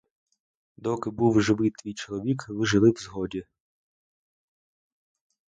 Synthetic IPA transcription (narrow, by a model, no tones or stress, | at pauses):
d̪ɔkɪbuwʒɪʋɪt̪ʋʲijt͡ʃɔlˠɔʋʲikʋɪʒɪlˠɪwzɦɔdʲi